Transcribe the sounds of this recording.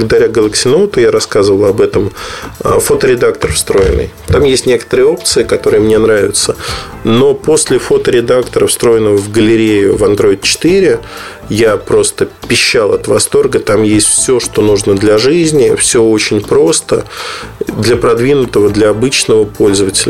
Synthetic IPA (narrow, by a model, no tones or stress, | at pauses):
bəɡəd̪ɐɾʲaɡəlˠəksʲɪnot̪ʊjaɾɐskazəvəlˠɐbɛt̪əmə̰fo̞t̪əɾʲɪd̪ak̚t̪ərfst̪ɾo̞jɪ̰nːɨ̰j | t̪amjesʲtʲnʲe̞kə̥t̪əɾɨjəo̞p̚t̪sɨɪkɐt̪o̞ɾɨjəmnʲe̞nɾavʲɪt̪sə | no̞po̞sʲlʲɪfo̞t̪əɾʲɪd̪akt̪əɾəfst̪ɾo̞jɪnːəvəvɡəlʲɪɾʲejʊ̰vɐnd̪ɾo̞ɪt̪̚t͡ɕɪ̥t̪ɨɾʲɪ | japɾo̞st̪əpʲɪɕːalˠɐt̪vɐst̪o̞rɡət̪amjesʲtʲfsʲo̞ʂt̪o̞nuʐnəd̪lʲɐʐɨzʲnʲɪfsʲɵot͡ɕɪnʲpɾo̞st̪ə̰ | d̪lʲəpɾɐd̪vʲinʊt̪əvəd̪lʲɐɐbɨt͡ɕnəvəpo̞lʲzəvətʲɪlʲə